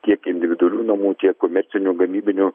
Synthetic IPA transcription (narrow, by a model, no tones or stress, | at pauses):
t̪ʲiɛkɪnʲd̪ʲɪʋʲɪd̪ʊɐlʲuːnɐmuːt̪ʲiɛkːomʲɛɾʲt͡s̪ʲɪnʲuːɡɐmʲiːbʲɪnʲu